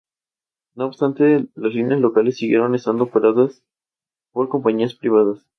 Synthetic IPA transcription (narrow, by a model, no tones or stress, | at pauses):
no̞ːbst̪ant̪e̞laslinjaslo̞kale̞sːiɣje̞ɾo̞ne̞st̪and̪ofeɾaðas | po̞ɾko̞mpaɲiaspɾiβ̞aðas